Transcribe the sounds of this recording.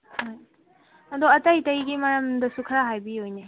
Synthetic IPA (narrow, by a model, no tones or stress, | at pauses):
hoj | ɐd̪oɐtajtɐjɡimɐɾɐmdɐsukʰɾaɦajbiojne